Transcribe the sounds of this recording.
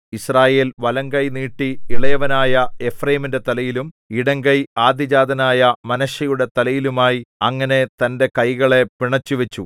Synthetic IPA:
israːje̞ːlʋɐlɐŋɡɐjniːʈːiiɭɐjɐʋɐnaːjɐe̞frɐjiminde̞t̪ɐlɐjilum | iɽɐŋɡɐjaːd̪jɐd͡ʑaːd̪ɐnaːjɐmɐnɐʂɐjuɽe̞t̪ɐlɐjilumaːjiɐŋːɐne̞t̪ɐnde̞kɐjɣɐɭe̞piɳɐt͡ɕːuʋet͡ɕːu

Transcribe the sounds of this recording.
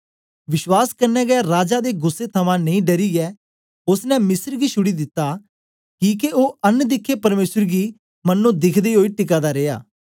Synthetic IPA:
ʋɪʃwaːskɐɾnɛːɡɛaɾaːd͡ʒaːd̪eːɡʊsːet̪ʰɐmãːnɐ̃ĩːɖɐɾiːɛː | ʊsnɛ̃mɪsəɾɡiːʃʰʊɽid̪ɪt̪ːaː | kiːkeʔoːɐnːd̪ɪkʰːepɐɾmeːsəɾɡiː | mɐnːõːd̪ɪkʰd̪eːɦoːiːʈɪk̬aːd̪aɾeːa̰ː

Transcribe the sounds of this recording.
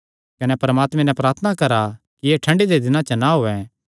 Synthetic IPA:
kɐnɛpɐɾəmaːt̪mɛ̃nɛpɾaːt̪ʰənakɐɾa | kieːʈʰɐ̃ɳɖid̪ed̪ɪnãt͡ʃɐnaɦoːɛ

